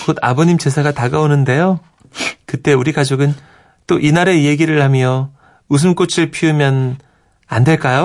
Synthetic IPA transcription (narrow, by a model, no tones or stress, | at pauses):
koda̰boɲimt͡ɕe̞sʰaɡataɡaonɯnde̞jo | kɯt͈e̞uɾiɡad͡ʑoɡɯn | t͈oʔinaɾe̞je̞ɡiɾɯɭhamjʌ | us̬ʰɯmk͈ot͡ɕʰiɭpʰiɯmjʌn | ande̞ɭk͈ajo